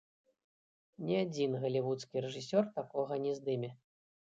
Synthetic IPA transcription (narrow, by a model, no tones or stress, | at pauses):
nʲiad͡zʲinɣɐlʲivut̪skʲiɾɛʐɨsʲɔrt̪akɔɣɐnʲɛzd̪ɨmʲɛ